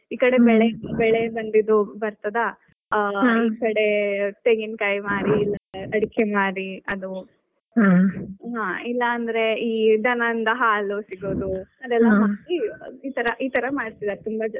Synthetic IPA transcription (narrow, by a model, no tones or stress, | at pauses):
iːkɐɽe̞bɛɭeɐbɛɭebɐnd̪id̪ubɐɾt̪ɐd̪ɐ | ɦiːkɐɽe̞t̪eŋɡinkɐjmaːɾiːlːɐɐɽikʰemaːɾiɐd̪u | ɦaɦaːilːɐːnd̪ɐɾe̞iːd̪ɐnɐnd̪ɐɦaːlusiɡoːd̪uɐd̪ɛlːɐɦaːkiiːt̪ɐɾɐʔiːt̪ɐɾɐmaːɽt̪id̪aɾt̪umbɐd͡ʒ